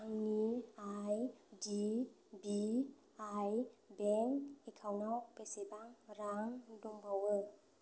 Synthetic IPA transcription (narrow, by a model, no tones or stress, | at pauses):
aŋniajdi | bi | ajbɛŋekʰawnawpesebaŋɾaŋdoŋbawə